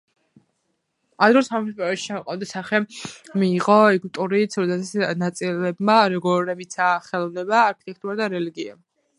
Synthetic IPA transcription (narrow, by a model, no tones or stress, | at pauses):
ad̪ɾɔsampʰʼaɾɛʃi̥t͡ʃʰamɔqʼavd̪asaχɛmiːʁɔɛɡut̪ʼuɾit̪sʰɾɔd̪ɛsatsnat̪sʼilɛbmaɾɔɡɔɾɛmit̪sʰaχɛlˠɔvnɛbaːɾkʰit̪ʼɛk̚ʰt̪ʼuɾad̪aɾɛliɡia̰